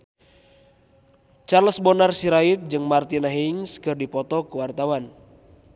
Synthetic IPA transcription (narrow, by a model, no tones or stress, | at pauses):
t͡ʃarləsbɔnarsiɾait̪̚d͡ʒɨŋmart̪inaɦiŋskɨrdipɔt̪ɔkuwart̪awan